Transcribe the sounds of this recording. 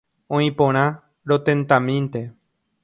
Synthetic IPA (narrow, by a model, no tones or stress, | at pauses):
õĩpõɾ̃ã | ɾot̪ẽnt̪ãmĩnt̪e